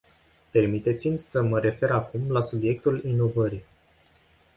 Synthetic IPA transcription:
pe̞rmit̪e̞t̪simʲsəməɾe̞fe̞ɾakumlasubje̞k̚t̪ulino̞vəɾi

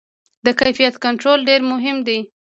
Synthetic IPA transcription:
d̪əkajfijat̪kaɳʈɾolɖeɾmʊɦɪmd̪i

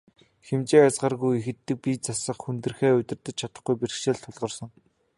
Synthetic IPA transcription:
xemt͡ɕeːat͡sʁaːrɣujexɘ̆t̪ːɘ̆k̚pit͡sasə̆χxunt̪ɘ̆rxeːʊt̪ʲɪ̆rt̪ɘ̆t͡ɕt͡ɕʰat̪ə̆χɡujperxʃeːɮt̪ʰːʊɮʁɞ̆rsɞ̆ŋ

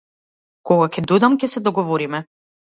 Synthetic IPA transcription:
kɔɡakɛd̪ujd̪amcʲɛsɛd̪ɔɡɔvɔɾimɛ

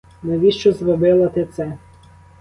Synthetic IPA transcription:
nɐʋʲiʃt͡ʃɔzɾɔbɪlˠɐt̪ɪt̪sɛ

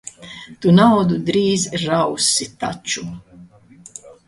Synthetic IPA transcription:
t̪unawd̪ud̪ɾiːzɾawsit̪at͡ʃu

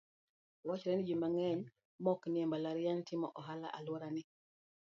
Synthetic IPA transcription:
wat͡ʃɾɛnid͡ʒimaŋɛɲ | mɔkniɛmbalaɾɪjantʰɪmɔʔɔɦala̰ʔalwɔɾanɪ

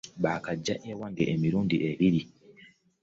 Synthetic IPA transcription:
βaːkaɟːaʔewaŋɡeʔemiɾuːndiʔeβiɾi

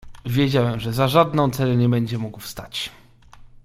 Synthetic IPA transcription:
vʲjed͡ʑawɛmʐɛzaʐad̪nɔ̃w̃t̪sɛɾɛɲɛbɛɲd͡ʑɛmuɡwfst̪at͡ɕ

